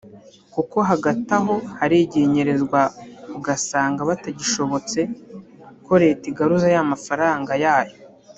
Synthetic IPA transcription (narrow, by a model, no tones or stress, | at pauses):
kuko̞ɦaɡataɦo̞haɾiɟe̞ɲe̞ɾe̞zɡwakuɡasaːŋɡaβataɟiʃo̞βo̞t͡se̞ | ko̞ɾe̞ːtiɡaɾuzajamafaɾaːŋɡajaːjo̞